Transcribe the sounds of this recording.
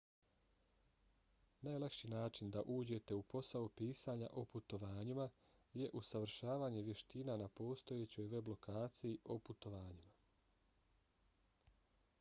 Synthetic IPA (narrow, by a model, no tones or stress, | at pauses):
najlˠakʃinaːt͡ʃind̪aʔuːd͡ʑe̞t̪e̞upo̞saopiːsaːɲa̰ʔo̞put̪o̞ʋaːɲima | je̞ʔusaʋɾ̩ʃaːʋaːɲe̞ʋje̞ʃt̪iːnanapo̞ːst̪o̞jet͡ɕo̞jʋe̞blo̞kʰaːt̪sijiʔoput̪o̞ʋaːɲima